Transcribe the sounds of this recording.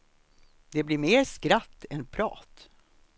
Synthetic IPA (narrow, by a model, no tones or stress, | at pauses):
d̪̥ɛblɪɾmeːɾskɾat̪ːɛnpʰɾɑ̰ːt̪